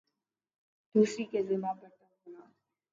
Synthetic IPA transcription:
d̪̥uːsɾikezɪmabəʈəʊnaː

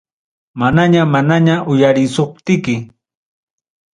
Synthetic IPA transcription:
manaɲamanaɲaʔʊjaɾɪsop̚t̪ɪkɪ

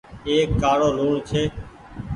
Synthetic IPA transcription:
eːkːaːɽoːluːɳt͡ʃʰeː

